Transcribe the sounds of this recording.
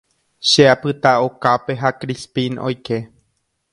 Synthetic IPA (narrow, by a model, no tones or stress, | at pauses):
ʃeapɨt̪aokape̞ɦakɾispĩno̞̰jke̞